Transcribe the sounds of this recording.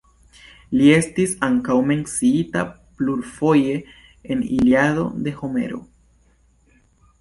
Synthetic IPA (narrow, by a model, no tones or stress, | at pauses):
lie̞stisaŋkawme̞ŋksiita̰ | pluɾfo̞je̞ː | nḭliaðo̞̰de̞ho̞me̞̰ɾo̞̰